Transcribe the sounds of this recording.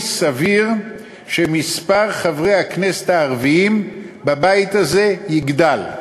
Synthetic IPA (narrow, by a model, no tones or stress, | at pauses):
saviʁ | ʃemispaʁχavʁejhakneset̪aːʁviimbabajt̪aze̞jiɡd̪al